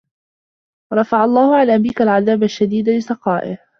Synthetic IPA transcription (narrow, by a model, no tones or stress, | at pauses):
ɾˤɑfaʕɑlˤːɑːhʊʕanabiːkalʕaðaːbaʃːad̪iːd̪lɪsɑqɑːʔɪ̰h